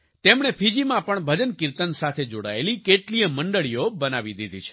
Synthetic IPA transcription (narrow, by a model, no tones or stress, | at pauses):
t̪emɳ̃epʰid͡ʒimãpəɳbʱəd͡ʒənkiɾt̪ənsat̪ʰed͡ʒoɽa̰elikeʈlijəməɳɖəɭijobənaʋid̪id̪ʱit͡ʃʰe̥